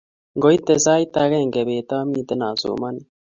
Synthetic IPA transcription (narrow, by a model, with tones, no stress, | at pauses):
ŋɡo˨˦i˦t̪e˨zaː˦i˦t̪a˦ɣɛ˦˨ŋɡe˨βeː˨t̪aː˦miː˦t̪e˦naː˨zo̰ː˨ma˦ni